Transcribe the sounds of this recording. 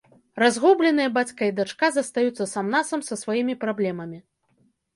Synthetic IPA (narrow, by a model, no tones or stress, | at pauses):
razɣublʲɛnɨjɐbat͡sʲkɐid̪at͡ʂkazɐst̪ajut̪sːɐsamnasɐmsɐsvajimʲipɾablʲɛmɐmʲi